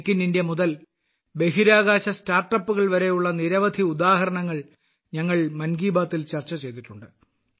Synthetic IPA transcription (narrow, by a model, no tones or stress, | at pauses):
kʲːinindjɐmuðɐl | be̞ɦiɾaːɡaːɕɐstaːrʈːɐpːuɣɐɭʋɐɾe̞juɭːɐniɾɐʋɐd̪ʱiud̪aːɦɐɾɐɳɐŋːɐɭ | ɲɐŋːɐɭmɐnɡiːbaːt̪ːilt͡ɕɐrt͡ɕːɐt͡ɕe̞jt̪̬iʈːuɳɖɨ